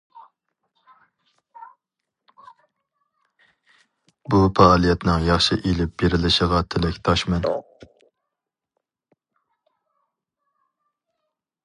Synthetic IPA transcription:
bupɑːlˠijɛt̪nɨŋjɑχʃɪʔilɪp̚beɾɪlɪʃəʁɑt̪ʰɪlɛkʲt̪ʰɑʃmɛn

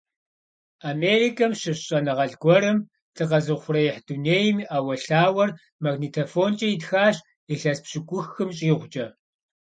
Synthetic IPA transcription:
aːmeːrikʰɐmɕɨɕʼɐnɨʁɐɮɡʷɔɾɨm | tʰɨqɐzɨʁχʷʊrɐjɛħd̥uneːjmiːʔaːwɐɬaːwɐr | mɐɡniːtʰofoːnt͡ʃʼɐjitxaːɕ | iɬɐspɕɪɡʷʼʊxɨmɕʼiːʁʷʊt͡ʃʼɐ

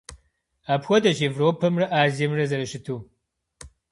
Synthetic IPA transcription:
aːpxʷɔdɐʑeːvroːpʰɐmrɐʔaːzijɛmrɐzɐɾɐʃɪtʰuː

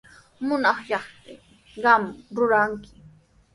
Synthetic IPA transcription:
mʊnɑχʎɑχt̪ɪ | ɢɑmɾʊɾaŋkɪ̥

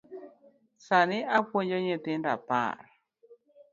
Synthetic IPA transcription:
sanɪʔapwoɲd͡ʒoɲet̪ɪnda̰pa̰r

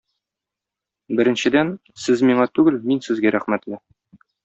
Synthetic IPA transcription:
bɘ̆ɾɘ̆nɕɘ̆d̪æn | sɘzmiɴɑt̪ʉɡɘlminsɘ̆zɡæɾæχmæt̪lɘ

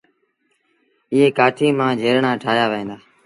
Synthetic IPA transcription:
ɪɦeːkaːʈʰiːmãːd͡ʒʱeːɾɳãːʈʰaːɦjaːʋəẽːnd̪aː

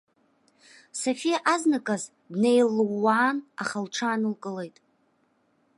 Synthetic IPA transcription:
sofijaʔaznɨkʼaz | dnejlːwːaːnaχalʈ͡ʂʰaːnɨlkʼɨle̞jtʼ

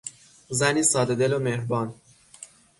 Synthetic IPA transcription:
zæniːsɒːd̪ed̪e̞lomehɾbɒːn

